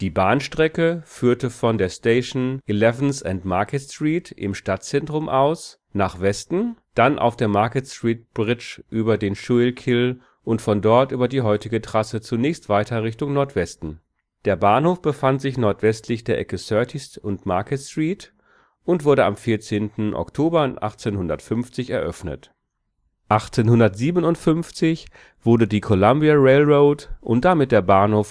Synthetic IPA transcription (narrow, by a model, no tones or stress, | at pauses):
d̥iːbaːnʃtʁ̥ɛkəfyːɐtəfɔndeːɐsteɪʃnʔilɛvn̩sɛntmaɐkɛstʁ̥iːtʔɪ̰mʃtat̚t͡sɛntʁ̥ʊmʔaʊs | naːχv̥ɛstn̩d̥anʔa̰ʊfd̥eːɐmaɐkətstʁ̥iːt̚b̥ʁɪt͡ʃʔyːbɐdeːnʃuɪlkʰɪl | ʔʊntfɔndɔɐtʔyːbɐdiːɦɔʏtɪɡətʁ̥asət͡sunɛːçstv̥aɪtɐʁɪçtʊŋnɔɐtv̥ɛstn̩ | d̥eːɐbaːɐnhoːfb̥əfantz̥ɪçnɔɐtv̥ɛstʰlɪçd̥eːɐʔɛ̰kəsœɐtʰɪsʊntmaɐkəstʁ̥iːt | ʔʊntv̥ʊɐɾəa̰mfiːɐt͡seːntn̩ʔɔ̰ktʰoːbɐʔa̰χt͡senhʊndɐtfʏnft͡sɪçɛɐʔœfnə̰t | ʔaχt͡seːnhʊndɐtz̥iːbənʊntfʏnft͡sɪç | v̥ʊɐdədiːkʰolambiaʁeɪlʁoʊtʔʊ̰nt̚d̥amɪt̚d̥eːɐbaːnhoːf